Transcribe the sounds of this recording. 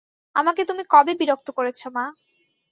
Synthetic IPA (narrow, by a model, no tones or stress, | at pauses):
a̰maket̪umikɔbebiɾok̚t̪okoɾet͡ɕʰoma